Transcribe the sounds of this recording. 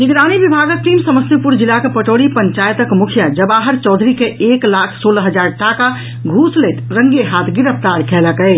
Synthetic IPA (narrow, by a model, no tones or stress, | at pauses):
niɡɾanibibʱaɡək̚t̪imsəməst̪jəpuɾd͡ʒilːakepəʈoɽipəɲt͡ʃajt̪əkmukʰijad͡ʒəbaɦəɾt͡ʃɔːd̪ʱɾikeeklakʰsoləɦəd͡ʒaɾʈaka | ɡʱuslɛt̪ɾəŋɡeɦat̪ʰɡiɾəpʰt̪aɾkʰɛləkə